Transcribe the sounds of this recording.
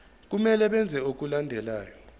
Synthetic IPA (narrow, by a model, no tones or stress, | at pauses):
k̬umɛlɛɓɛnd͡zʱɛok̬ulandʱɛlaːjɔ